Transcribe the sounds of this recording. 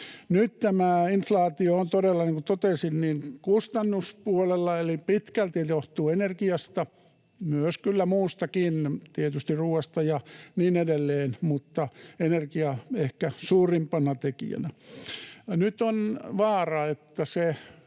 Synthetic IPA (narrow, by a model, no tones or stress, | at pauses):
nytt̪æmæinflɑːt̪ioont̪odelːɑneŋkut̪ot̪esinniŋkust̪ɑnːuspuolelːɑelipit̪kælt̪ijoht̪uːenerkiɑst̪ɑ | myøskylːæmuːst̪ɑkint̪iet̪yst̪irruːɑst̪ɑjɑniːnedelːeːnmut̪ːɑenerkiɑehkæsuːrimpɑnɑt̪ekḭæ̰næ | nyt̪onʋɑːrɑet̪ːæse